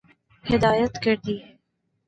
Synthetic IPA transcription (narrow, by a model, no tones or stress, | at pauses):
hɪd̪ɑjat̪kəɾd̪i